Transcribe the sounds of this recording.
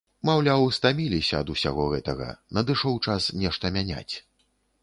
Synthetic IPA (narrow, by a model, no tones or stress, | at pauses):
mawlʲawst̪amʲilʲisʲɐɐd̪usʲa̰ɣɔɣɛt̪ɐɣɐ̰nɐd̪ɨʂɔwt͡ʂasnʲɛʂt̪ɐmʲanʲa̰t͡sʲ